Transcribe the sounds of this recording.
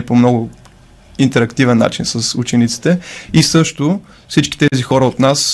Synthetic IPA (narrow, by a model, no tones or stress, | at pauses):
pomnɔɡʊ | int̪ɛɾɐkt̪ivɛnːa̰t͡ʃinsɐsut͡ʃɛnit̪si̥t̪ɛisɤʃt̪ʊ | fsit͡ʃki̥t̪ɛzixɔɾəot̪nas